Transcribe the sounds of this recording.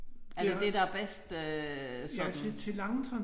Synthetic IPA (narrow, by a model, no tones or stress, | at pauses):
æɐd̥e̝d̥e̝d̥ɑb̥esd̥øsɒ̽it͡sʰe̝lɑ̈ŋət͡sʰɑn